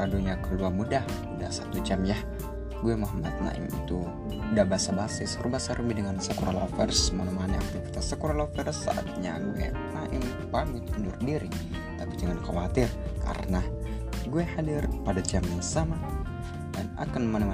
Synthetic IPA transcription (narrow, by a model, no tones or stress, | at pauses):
aduɲakəluarmudah | uda̰sat̪ud͡ʒamjah | ɡuɛmaɦəmat̪̚na̰ʔɪ̰mḭt̪u | dabasabasɪsrubasaɾəmbidəŋansəkuɾalofɛrsmənəmanɛak̚t̪ivit̪asəkuɾalofɛrsa̰ʔa̰t̪̚ɲa̰ɡuɛ̰naʔɪm | pamit̪əndʊrdiɾi | t̪apid͡ʒəŋankawat̪ɪrka̰ɾə̰na | ɡuɛhadɪrpadad͡ʒamjaŋsama | dana̰kanmənəma